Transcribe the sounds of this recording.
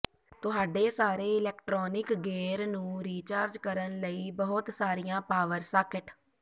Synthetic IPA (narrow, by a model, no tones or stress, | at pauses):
t̪ʊɦaːɖeːsaːɾeːɪlɛːkʈɾoːnɪkɡeːɾnũːɾiːt͡ʃaːɾd͡ʒkəɾənləiːbəɦʊt̪saːɾɪjãːpaːʋəɾsaːkɪʈ